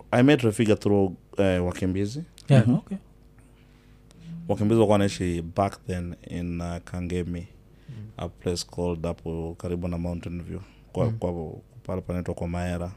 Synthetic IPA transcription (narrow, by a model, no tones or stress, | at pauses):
ajmɛtɾɛfiɡaθɾuɛwakimbizi | wakimbiziwakuwanaiʃibakðɛnḭnakʰaŋɡɛmi | a̰pʰlɛskʰɔldapʰɔkaɾibunamauntɛnvju | kwapalapanɛtwakwamaɛɾa